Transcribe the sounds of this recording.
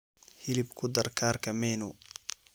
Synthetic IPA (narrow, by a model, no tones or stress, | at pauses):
hɪlɪbkʰʊd̪ɐrkʰaːrkʰɐmɛːnʊ